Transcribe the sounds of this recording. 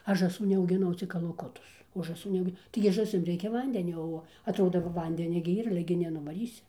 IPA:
ˈɐʃ ʒɑːˈsuː nʲɛɐʊɡʲɪˈnɐʊ t͡sʲɪk kɐlˠɐˈkʊtʊs oː ʒɑːˈsuː nʲɛˈɐʊɡʲɪ tɐɪɡʲɪ ʒɑːˈsʲɪm ˈrʲɛɪkʲɛ ˈʋɐnʲdʲɛnʲoː ˈoː ɐtˈroːdoː ˈʋɐ ˈʋɐnʲdʲɛnʲɛ ɡʲɪ ɪr ˈiːr ˈɑːlʲɛ ɡʲɪ nʲɛnʊʋɐˈrʲiːsʲɪ

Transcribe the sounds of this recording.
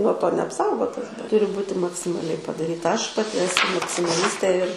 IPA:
nuɔ ˈtoː nʲɛɐpˈsɐʊɡoːtɐs ˈtʊrʲɪ ˈbuːtʲɪ mɐksʲɪmɐˈlʲɛɪ pɐdɐˈrʲiːtɐ ˈɐʃ pɐˈtʲɪ ɛˈsʊ mɐksʲɪmɐˈlʲɪsʲtʲeː ɪr

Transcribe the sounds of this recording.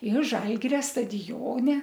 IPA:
ɪr ˈʒɐlʲɡʲɪrʲɛ stɐdʲɪˈjoːnʲɛ

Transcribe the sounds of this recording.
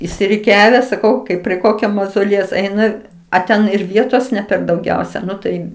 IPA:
ɪʃʲsʲɪrʲɪˈkʲæːʋʲɛ sɐˈkɐʊ ˈkɐɪp pʲrʲiɛ ˈkoːkʲoː mɐzoːˈlʲiɛjɛʊs ˈɛɪnɐ ɐ ˈtʲɛn ɪr ˈʋʲiɛtoːs nʲɛ pʲɛr dɐʊˈɡʲɛʊsʲɛ ˈnʊ tɐɪ

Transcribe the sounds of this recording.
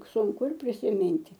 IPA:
sʊŋˈkʊ ɪr pʲrʲɪsʲɪˈmʲɪnʲtʲɪ

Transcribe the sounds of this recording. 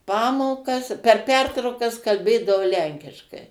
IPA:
ˈpɑːmoːkɐs pʲɛr ˈpʲɛrtrɐʊkɐs kɐlʲˈbʲeːdɐʋoː ˈlʲɛŋʲkʲɪʃkɐɪ

